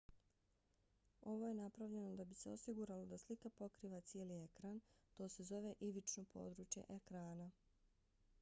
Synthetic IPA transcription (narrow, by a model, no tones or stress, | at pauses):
o̞ʋo̞je̞napɾaʋʎe̞nod̪abise̞o̞siɡuɾalo̞d̪aslikapo̞kɾiːʋat̪sjelie̞kɾant̪o̞ːse̞zo̞ʋe̞ʔiʋit͡ʃnopʰo̞̰ːd̪ɾuːt͡ʃje̞̰ʔekɾaːna